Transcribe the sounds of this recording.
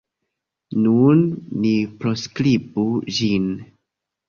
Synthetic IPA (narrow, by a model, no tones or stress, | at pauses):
nunːipɾoskɾibud͡ʒin